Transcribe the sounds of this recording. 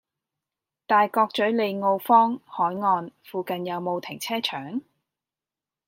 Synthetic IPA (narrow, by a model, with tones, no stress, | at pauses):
t̪aː˨jkɔː˧k̚t͡ʃɵ˨˥ɥle˨˧jŋo˧wfɔː˥ŋhɔː˨˥jŋɔː˧nfuː˨kɐ˨njɐ˨˧wmo˨˧wt̪ʰɪ˨˩ŋt͡sʰɛː˥t͡ʃʰœː˨˥ŋ